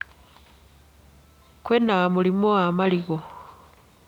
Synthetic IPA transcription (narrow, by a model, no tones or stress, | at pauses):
kwenamulimoamaliɣo